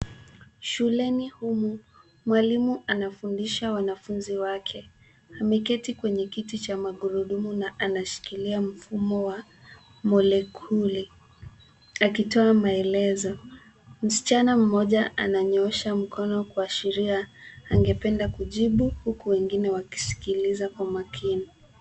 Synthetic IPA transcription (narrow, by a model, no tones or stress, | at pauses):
ʃulɛnihumu | mwalimuanafundiʃawanafunziwakʰɛ | amɛkɛtikwɛɲɛkitit͡ʃamaɠuɾuɗumunaʔanaʃi̥kiliam̩fumɔwa | mɔlɛkʰuli | akitɔamaɛlɛzɔ | m̩si̥t͡ʃanam̩mɔʄaʔa̰naɲɔʃam̩kʰɔnɔkwaːʃiɾiaːŋɡɛpɛndakuʄiɓuhukuwɛŋɡinɛwaki̥si̥kilizakwamakʰini